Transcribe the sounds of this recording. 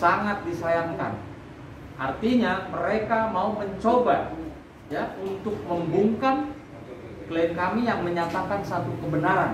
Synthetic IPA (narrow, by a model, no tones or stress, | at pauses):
saŋat̪̚disajaŋka̰n | ʔart̪iɲaməɾekamauməɲt͡ʃoba̰ | jaunt̪ʊk̚məmbuŋkan | kliŋkamijaŋməɲat̪akansat̪ukəbənaɾan